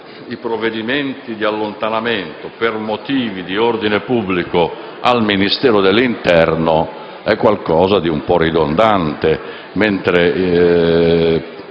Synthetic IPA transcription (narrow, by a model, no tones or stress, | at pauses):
ipɾoved̪iment̪id̪ialːont̪anament̪opermot̪iːvid̪iord̪inepubːliko | alminist̪ɛːɾod̪elːint̪ɛɾno | ɛkːwalkɔːzad̪iumpɔrid̪ond̪ant̪e | ment̪ɾe